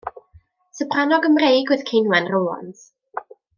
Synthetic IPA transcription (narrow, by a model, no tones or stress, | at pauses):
səpʰranɔɡəmrejɡwɨðkʰejnwɛnroːɔ̰ns